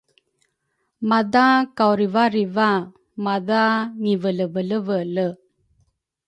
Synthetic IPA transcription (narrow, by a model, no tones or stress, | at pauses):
mad̪akawɾivaɾiva | mad̪aŋivələvələvələ